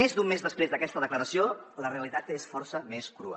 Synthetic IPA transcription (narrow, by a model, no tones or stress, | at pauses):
ezd̪umːezðəspɾezd̪əkɛst̪əðəkləɾəsioləreəlit̪at̪esfɔɾsəmeskɾṵə̰